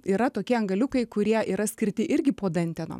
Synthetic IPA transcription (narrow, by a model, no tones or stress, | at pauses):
iːɾɐt̪oːkʲɛɐŋɡɐlʲʊkɐɪkʊɾʲiɛʔiːɾɐsʲkʲɪɾʲt̪ʲɪʔɪɾʲɡʲɪpoːd̪ɐnʲt̪ʲɛno̰ː